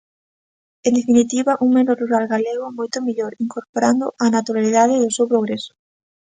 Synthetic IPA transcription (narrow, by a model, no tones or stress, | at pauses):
end̪efinit̪iβaʔuŋmenoruɾalɣaleɣomojt̪omiʎoɾiŋkoɾpoɾand̪oʔanat̪uɾaliðaðeðosewpɾoɣɾesʊ̥